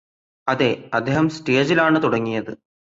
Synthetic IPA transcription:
ɐðe̞ɐd̪ʱːeɦɐmsteːd͡ʑilaːɳɨt̪uɽɐŋːijɐðɨ

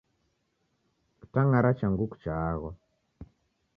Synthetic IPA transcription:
ki̥taŋaɾat͡ʃaŋɡuku̥t͡ʃaɣwa

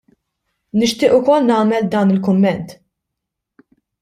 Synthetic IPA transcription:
nɪʃt̪ɪːʔʊkɔlnɐːmɛld̪ɐːnɪlkʊmːɛnt̪

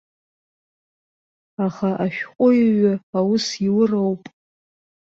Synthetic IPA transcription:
aχaʔaʃᶣqʷʼʊjɥaawʊsiwʊrowpʼ

